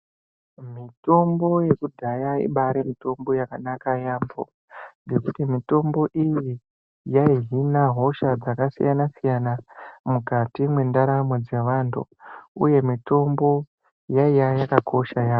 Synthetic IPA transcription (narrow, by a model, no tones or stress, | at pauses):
mito̞mbo̞je̞kudʱajaḭɓaɾemito̞mbo̞jakanakajaːmbo̞̰ | d͡ze̞kutimito̞mbo̞ʔiji | jaiɦinaɦo̞ʃad͡zakasḭjanasijanamukatimwe̞ndaɾamod͡ze̞ʋantʰṵ | ṵje̞mito̞mbo̞ | jaijajakakʰo̞ʃajaːo